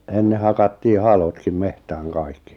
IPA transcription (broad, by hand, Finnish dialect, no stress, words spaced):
enːe hɑkɑtːiː hɑlotkim mehtæːŋ kɑikːi